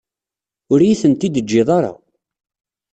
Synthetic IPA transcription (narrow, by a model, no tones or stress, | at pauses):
ʊɾjiθənt̪id̪əd͡ʒːɪðˤɑɾˤɑ̰